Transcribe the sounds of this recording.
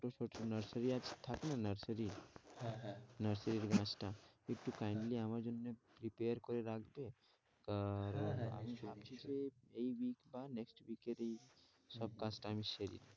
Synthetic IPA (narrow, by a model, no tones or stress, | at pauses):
oʈot͡ʃʰoʈonəɾsəɾiad͡ʒt̪ʰakenanɐɾsəɾi | nɐɾsəɾiɾɡãːsʈaɪʈːukaːɪɳɖliɐmad͡ʒʊnmẽpɾipeːəɾkɔɾeɾakʰbe | kəɾa̰miaːt͡ʃit͡ʃeeiʋiːkbaːɾneksʈʋiːkːeɾei | sɐb̚kãːsʈaːmiʃɐɾḭɾ